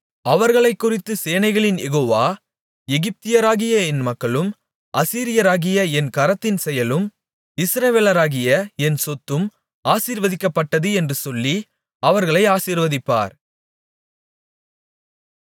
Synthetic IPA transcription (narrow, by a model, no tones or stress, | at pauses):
ɐʋɐɾɣɐɭɐɪkːʊrɪt̪ːɯseːnɐɪɣɐɭɪnjɛɣoːʋaː | ɛɣɪp̚t̪ɪjɐɾaːɣɪjɐɛnmɐkːɐɭɯm | ʔɐsiːɾɪjɐɾaːɣɪjɐɛnkɐɾɐt̪ːɪnsɛjɐlɯm | ɪsɾɐʋeːlɐɾaːɣɪjɐɛnsɔt̪ːɯm | aːsiːɾʋɐðɪkːɐpːɐʈːɐðɯɛndrɯsɔlːi | ɐʋɐɾɣɐɭɐɪaːsiːɾʋɐðɪpːa̰ːɾ